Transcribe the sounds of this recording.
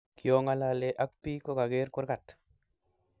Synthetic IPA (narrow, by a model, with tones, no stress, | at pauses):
ki˨o˦ŋa˦la˨le˦ʔa˦k̚pi˦ko˦ɡa˨ɡe˦ɾku˦ɾɡa˨t